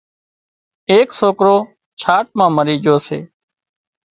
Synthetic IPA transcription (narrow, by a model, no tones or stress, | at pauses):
eːksoːkɾoː | t͡ʃʰaːʈ̚mãːməɾiːd͡ʒoːsḛː